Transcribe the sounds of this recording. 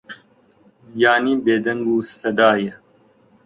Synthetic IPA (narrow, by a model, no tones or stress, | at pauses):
jaːnibeːd̪ɐŋɡuːst̪ɐd̪aːjɐ